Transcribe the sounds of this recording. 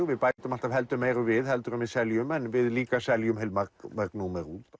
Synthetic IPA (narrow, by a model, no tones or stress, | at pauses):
vɪðpaːjt̪ʏmalt̪av̥ɦɛl̪t̪ʏmːeːjɾʏvɪðhɛlt̪ʏɾʏmvɪðsɛljʏmɛnvɪðliːkasɛljʏmɦelmamɛknumɛɾuːt̪